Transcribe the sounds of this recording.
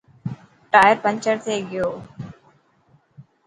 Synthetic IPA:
ʈaːjəɾpə̃ɲt͡ʃəɾt̪ʰeːɡɪjoː

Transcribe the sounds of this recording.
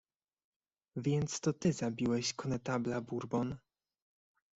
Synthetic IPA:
vʲjɛnt̪st̪ɔt̪ɘzabʲiwɛɕkɔnɛt̪ablabuɾbɔn

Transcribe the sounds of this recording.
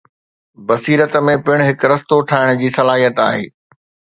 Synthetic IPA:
bɐsiːɾət̪mẽpɪɽ̃ɦɪkɾɐst̪oʈʰaːɪɽ̃ʊd͡ʑiːsɐlaːɦijət̪a̰ːɦḛː

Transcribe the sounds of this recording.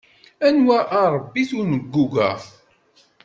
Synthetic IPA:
ænwæʔɑɾˤəbːiθunəɡːuɡæ̰

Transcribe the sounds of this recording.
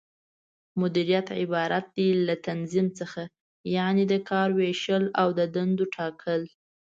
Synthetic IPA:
mʊd̪iɾijat̪ʕɪbɑɾat̪̚d̪ilat̪anzimt͡səxa | jɑned̪əkʰɑɾweʃəlawd̪əd̪and̪oʈʰɑkʰəl

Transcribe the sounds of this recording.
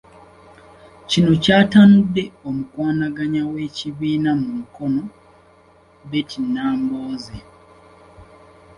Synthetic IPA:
cino̞caːtanudːe̞omukwaːnaɡaɲawe̞ːciβiːnamumuko̞no̞ | βetʰinːaːmboːze

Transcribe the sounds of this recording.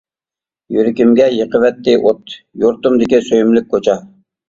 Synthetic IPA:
jyɾɪkʲimɡʲɛjəqəvɛt̪ːɪʔot̪juɾt̪umd̪ɪkʲisøjymlɪk̚ʲkʰːot͡ʃʰɑ

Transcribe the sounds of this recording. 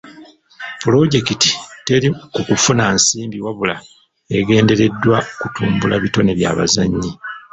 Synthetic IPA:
pulo̞ɟe̞kiti̥te̞ɾikukufunansiːmbiwaβula | e̞ɡe̞ːnde̞ɾe̞dːwakutuːmbulaβito̞ne̞βja̰ːβa̰zaɲːi

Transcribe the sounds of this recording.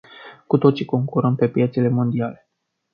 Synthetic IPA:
kut̪o̞t̪siko̞ŋkuɾəmpe̞pje̞t̪sele̞mo̞nd̪iale̞

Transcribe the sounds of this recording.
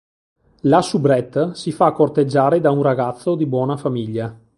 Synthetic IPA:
lasubɾɛt̪ːsifakːort̪ed͡ʒːaːɾed̪aunraɡat̪sːod̪ibwɔːnafamiʎːa

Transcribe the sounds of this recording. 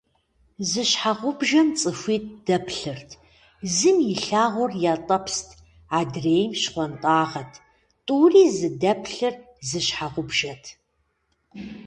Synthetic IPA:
zɨɕħaʁʷʊbʒɐnt͡sʼɨfʷiːt̚ʰd̥ɐpʰɬɨrtʰ | zɨmjɪɬaːʁʷʊrjaːtʼɐpʰstʰ | aːdreːjmʃχʷɔntʼaːʁɐtʰ | tʼuːriːzɨdɐpʰɬɨr | zɨɕħaʁʷʊbʒɐtʰ

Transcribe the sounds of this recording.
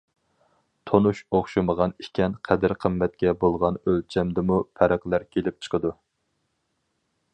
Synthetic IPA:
t̪ʰonuʃoχʃɨməʁɑnikʲʰɛnqʰæd̪ɪɾqʰəmːɛt̪̚kʲɛbolˠʁɑnølt͡ʃʰɛmd̪ɪmupʰɛɾæqlˠæɾkʲʰelɪp̚t͡ʃʰə̥qʰəd̪u

